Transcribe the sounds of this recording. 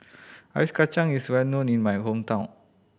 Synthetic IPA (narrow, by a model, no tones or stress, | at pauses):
aɹiskat͡ʃãŋiswɛlnõnĩnmajhõmtʰãʊ̃n